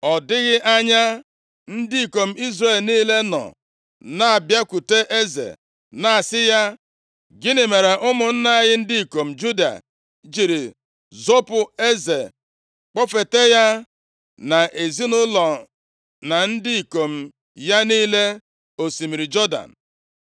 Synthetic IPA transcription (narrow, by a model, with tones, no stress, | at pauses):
ɔ˨dɪ˦ɣɪ˦ʔa˦ɲa˦ | n̩˦dɪ˦i˨ko˨m̩˦i˦zre˨lniː˦le˦nɔ̰˨ | na˦a˨bja˦ku˨te˦ʔe˦zḛ˨ | na˨a˨sɪ˦ja˦ | ɡɪ˦nɪ˨me˨ɾe˨ʔʊ˦mʊ˨n̩˦na˦˨ɣɪ˦n̩˦di˦i˨ko˨m̩˨d͡ʒu˦da̰˨ | d͡ʒi˨ɾi˨ | zo˦pʊ˨e˦ze˨ | k͡pɔ˦fe˨te˦ja˦ | na˨ʔe˨zi˦nʊ˦lɔ˨ | na˨n̩˦dɪ˦i˨ko˨m̩˨ | ja˦niː˦le˦ | o˨si˨mi˨ɾi˨d͡ʒɔ˦da̰˨n̩˨